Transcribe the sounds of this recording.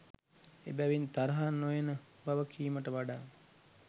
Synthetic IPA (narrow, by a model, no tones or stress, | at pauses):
ḛbæʋint̪aɾɐɦanːojenəbaʋəkiːməʈəʋaɖaːn